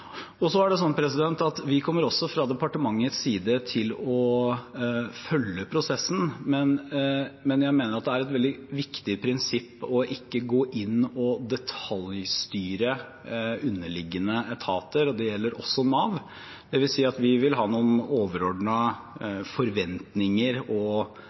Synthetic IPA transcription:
ɔsɔæɖɛs̬ɔnːpʰɾɛsɪd̪ɛnt̪ɑt̪ʋɪkʰɔmːəɾɔsːɔfɾɑd̪ɛpɑʈəmɑŋːət̪ssiːd̪ət̪ʰɪlɔ | fœlːəpʰɾʊsɛsːn̩mɛn | mɛnjæɪmeːnəɾɑt̪̚d̪ɛæɾɛt̪ʋɛld̪ɪʋɪkt̪ɪpʰɾɪnsɪpːɔʔɪkːəɡoːʔɪnːɔd̪ɛt̪ʰɑljst̪yːɾə | ʉnːəlɪɡːənəɛt̪ʰɑːt̪əɾɔd̪ɛjɛlːəɾʔɔ̰sɔmɑːʋ | d̪̥ɛʋɪlsiːɑt̪ʋɪʋɪlɦɑːnuːn̩oːʋəɾɔɖɳə | fɔɾʋɛnt̪nɪŋəɾɔ

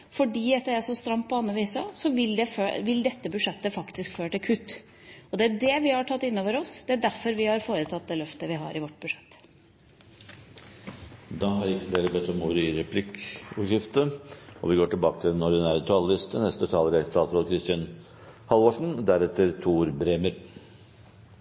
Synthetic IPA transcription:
fɔɖiːɛt̪ːəɾæsɔst̪ɾɑmːpʰɔɑnːɾəʋiːsəsɔʋɪld̪ɛføʋɪld̪ɛt̪ːəbʉʂɛt̪ːəfɑkt̪ɪskføːʈɪkʰʉt̪ː | ɔd̪ɛæɖɛʋɪhɑʈʰɑt̪ːɪnːɔʋəɾɔsd̪ɛæɖæɾfɔɾʋɪhɑɾfoːɾət̪ʰɑt̪̚d̪ɛːlœft̪əʋɪɦɑ̰ɾɪʋɔʈːbʉʂɛt̪ː | d̪ɑːɦɑɾɪkːəld̪eːləbɛt̪ːɔmuːɾəɪɾɛpʰlɪkʉʂɪft̪əɔ̰ʋɪɡoːʈɪlbɑːkət̪ʰɪld̪ɛnɔɖɪnæːɾət̪ʰɑləlɪst̪ənɛst̪ət̪ʰɑːləɾɛt̪ʰɑːsɾɔkʰɾɪst̪ɪən | hɑlʋoʂɳ̩d̪æɾɛt̪ːəɾt̪ʰuːɾbɾeːməɾ

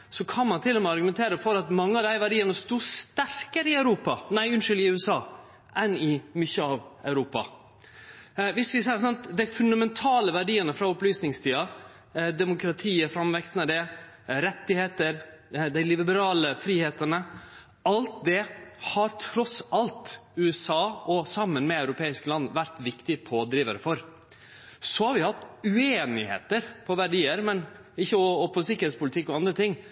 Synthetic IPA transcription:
sɔkʰɑnmɑnt̪ʰɪlɔmɛɑɾɡʉmɛnt̪ʰeːɾəfɔɾɑt̪mɑŋːəɑʋd̪æɪʋæɖiːənəst̪uːst̪æɾkəɾəɪæʉɾuːpɑnæɪʉnʂʏlɪʉːɛsɑː | ʔɛnɪmʏçːəɑʋɑʉɾuːpɑ̰ | ʋɪsʋɪs̬ɛɪs̬ɑnt̪d̪æɪfʉnd̪ɑmɛnt̪ʰɑːləʋæɖiːənəfɾɑɔplyːsnɪŋst̪ʰiːɑ | d̪ɛmʊkɾɑt̪ʰiːəfɾɑmʋɛkst̪nəd̪ɛ | ɾɛt̪ːɪheːt̪əɾd̪æɪlɪbəbəɾɑːləfɾiːheːt̪ənə | ɑlt̪̚d̪ɛhɑɾt̪ʰɾɔsɑlt̪ʉɛsɑːʔɔsɑmːənmɛœʉɾʊpʰeːɪsklɑnːʋæɾt̪ʋɪkt̪ɪpʰoːd̪ɾiːʋə̰ɾfɔɾ | sɔhɑɾʋɪhɑt̪ːʉeːnɪhḛːt̪əɾpʰɔʋæɖiːəɾmɛn | ɪçːəɔɔpʰɔsɪkəɾheːt̪spʊlɪt̪ɪkːɔɑnd̪ɾət̪ɪŋː

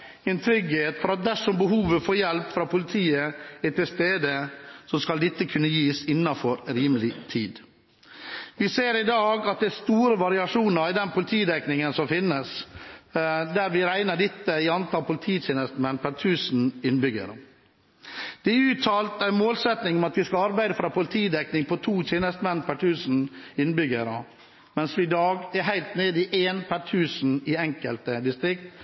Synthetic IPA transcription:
ɪnt̪ʰɾʏɡheːt̪fɔɾɑt̪̚d̪æʂɔmbəɦuːʋəfoːɾjɛlpfɾɑːpʰʊlɪt̪ʰiːəæt̪ʰɪlst̪eːd̪əsɔskɑld̪ɪt̪ːəkʰʉnːəjiːsɪnːɑnfɔɾɾiːməlɪt̪ʰiːd̪ | ʋɪseːɾɪd̪ɑːɡɑt̪̚d̪ɛæst̪uːɾəʋɑɾɪɑʂuːnəɾɪd̪ɛnpʰʊlɪt̪ʰiːd̪ɛknɪŋənsɔmfɪnːəs | d̪æɾʋɪɾæɪnəɖɪt̪ːəɪɑnt̪ʰɑːlpʊlɪt̪ʰiːt͡ʃeːnəst̪əmɛnːpʰæʈʰʉːsn̩ɪnbʏɡə̰ɾə | d̪̥ɛʉːt̪ʰːɑːlt̪æɪnmoːlsɛt̪nɪŋɔmɑt̪ʋɪskɑɑɾbæɪd̪əfɾɑːpʰʊlt̪ʰiːd̪ɛknɪŋpʰɔt̪ʰuːt͡ʃeːnəst̪mɛnːpʰæʈʰʉːsn̩ɪnːbʏɡəɾə | mɛnsʋɪd̪ɑːɡæɾɦæɪlt̪neːd̪ɪʔeːnpʰæʈʰʉːsn̩ɪɛŋkəlt̪əd̪ɪst̪ɾɪk̚t̪

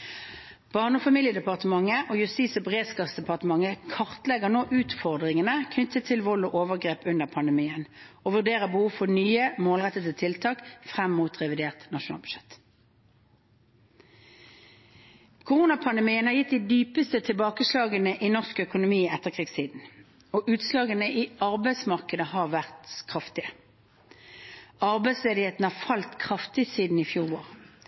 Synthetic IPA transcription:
b̥ɑʁnɔfɑmiːljəd̪ɛpɑʁt̪əmɑŋːəʔoːjʉst̪iːt̪sobʁeːsɡɑsd̪ɛpɑʁt̪əmɑŋəkʰɑʁt̪lɛɡəʁnoːʔʉːt̪fɔʁd̪ʁɪŋənəkʰnʏt̪ːət̪ʰːɪlʋɔloːʔoːʋəʁɡʁeːpʉnd̪əʁpʰɑnd̪əmiːənoːʋʉʁd̪eːʁəbəhuːʋfɔʁnyːəmoːlʁɛt̪ət̪ət̪ʰɪlt̪ʰɑːkfʁɛmmuːt̪ʁɛʋɪd̪eːʁt̪nɑʃʊnɑ̰ːlb̥ʉ̥ʃɛt̪ | kʰʊʁuːnɑpʰɑnd̪əmiːənhɑʁjɪt̪̚d̪id̪yːpəst̪ət̪ʰɪlbɑːkəslɑːɡənəʔinɔʁskœkʊnʊmiːɛt̪ːəʁkʰʁiːɡst̪ʰiːd̪n̩ | oːʔʉːt̪slɑːɡənəʔiɑʁbæɪsmɑʁkəd̪əhɑːʁʋæʁt̪kʰʁɑft̪ɪə | ɑʁbæɪsleːd̪ɪheːt̪n̩hɑːʁfɑlt̪kʰʁɑft̪ɪsiːd̪n̩iːfjuːʁɑʁ

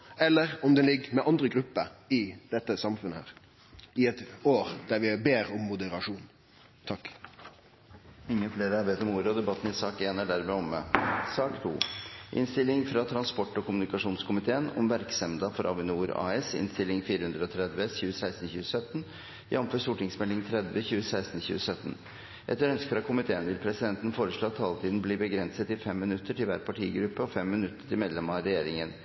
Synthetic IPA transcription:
ɛlːəɾɔmd̪ɛnlɪɡːmɛʔɑnd̪ɾəɡɾʉpːəɪd̪̥ɛt̪ːəsɑmfʉnəhæ̰ːʁ | ɪɛt̪oːɾd̪æɾʋɪbeːɾɔmːʊd̪əɾɑʂuːn | t̪ʰɑkː | ɪŋːəfleːɾəɑɾʋeːt̪ɔmuːɾəɔd̪ɛbɑt̪ːənɪsɑːkeːnæɖæɾmɛːɔmə̰sɑːkt̪ʰṵːʔɪ̰nst̪ɪlːɪŋfɾɑt̪ʰɾɑnspɔʈːɔkʊmʉnɪkɑʂuːnskʰʊmɪt̪ʰeːənɔ̰mʋæɾksɛmd̪ɑfɔɾʔɑ̰ʋɪnuːɾɑ̰ːɛsɪ̰nst̪ɪlɪŋfiːɾəhʉnd̪ɾəɔt̪ʰɾɛd̪ʋəçʉːəsæɪst̪n̩çʉːəsœt̪ːən | jʔɑmføːʂt̪uːʈɪŋsmɛlːɪŋt̪ʰɾɛd̪ʋəçʉːəsæɪst̪n̩çʉ̰ːəsœt̪ːn̩ | ʔɛ̰t̪ːəɾœnskəfɾɑkʰʊmɪt̪ʰeːənʋɪlpʰɾɛsɪd̪ɛnt̪ən̩foːɾəʂɭoːɑt̪ʰːɑːlt̪ʰiːd̪n̩bliːbəɡɾɛnsət̪ɪfɛmːɪnʉt̪ʰːəʈɪlʋæ̰ːɾpʰɑʈʰḭːɡɾʉpːəɔfɛmːɪnʉt̪ːə̥ʈʰɪlmeːd̪lɛmɑɾɛjeːɾɪŋən

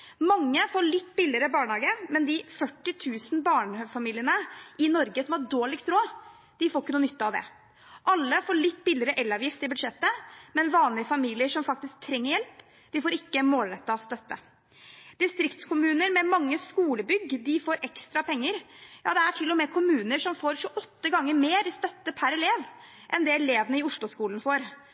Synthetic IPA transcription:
mɑŋːəfoːɭɪt̪ːbɪlɪɾəbɑːɳhɑːɡəmɛnd̪ɪfœʈːɪt̪ʰʉːsn̩bɑːɳfɑmiːlɪənəʔɪnɔɾɡəsɔmhɑɖoːɭɪɡst̪ɾoː | d̪̥ɪfoːɾɪkːənuːnʏt̪ːɑɑʋd̪ɛ̰ | ʔɑlːəfoːɭɪt̪ːbɪlɪɾəʔɛlːɑːʋjɪft̪ɪbʉd̪ʂɛt̪ːəmɛnʋɑːnlɪəfɑmiːlɪəʂɔmfɑk̚t̪ɪsk̚t̪ʰɾɛŋːəɾjɛlp | d̪̥ɪfoːɾɪkːəmoːlɾɛt̪ːɑst̪œt̪ːə̰ | d̪̥ɪst̪ɾɪkt̪skʰʊmʉːnəɾmɛmɑŋːəskuːləbʏɡd̪ɪfoːɾʔɛkst̪ɾɑpʰɛŋːəɾjɑ̰ːd̪ɛæʈʰɪlːɔmɛkʰʊmʉːnəʂɔmfoːɾʂʊʔɔt̪ːəɡɑŋːəɾmeːɾst̪œt̪ːəpʰæɾɛleːʋ | ʔɛnd̪ɛɛleːʋənəɪʊʂɭʊskuːln̩foːɾ

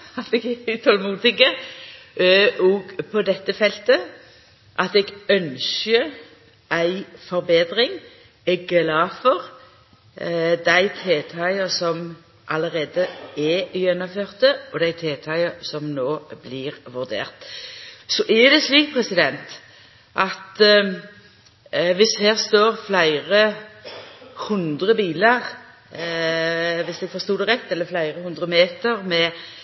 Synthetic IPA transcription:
ɑt̪ɛɡʉt̪ʰɔlmuːt̪ɪkə | ɔɡpʰɔd̪ɛt̪ːəfɛlt̪ə | ʔɑt̪ɛɡœnʃə | ʔæɪfɔʁbeːd̪ʁɪŋ | ɛɡlɑːfɔʁ | d̪æɪt̪ʰeːt̪ʰɑɪəsɔm | ʔɑləʁeːd̪əɛjɛnɔmføːʁt̪əɔd̪æɪt̪ʰeːt̪ʰɑɪəsɔmnoːblɪʁʋʉʁd̪ḛːʁt̪ | sɔʔɛd̪ɛsliːk̚pʰɾɛsɪd̪ɛnt̪ | ʔɑt̪ | ʋɪshæːʁst̪oːʁflæɪʁə | hʉnd̪ʁəbiːləʁ | ʋɪsd̪ɛɡfɔʁst̪uːd̪əʁɛt̪ːɛlːəflæɪʁəhʉnd̪ʁəmeːt̪əʁmɛ

